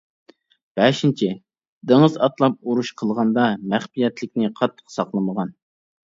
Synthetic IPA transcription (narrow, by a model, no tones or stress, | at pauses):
b̥ɛʃint͡ʃʰɪ | d̪əŋəzɑt̪lˠɑp̚uɾuʃqʰəlˠʁɑnd̪ɑmæχpijɛt̪lɪkʲnɪqʰɑt̪ʰːə̥qsɑqlˠəməʁɑn